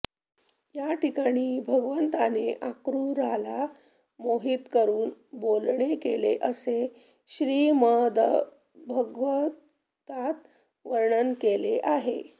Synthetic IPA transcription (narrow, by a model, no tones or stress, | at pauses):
jaʈikaɽ̃iːbʱəɡʋənt̪aneʔakɾuɾala | moɦiːt̪kəɾuːnbolɳekelḛʔəse | ɕɾiːməd̪ə | bʱəɡʋə | t̪at̪ | ʋəɾɳənkeleʔaɦḛ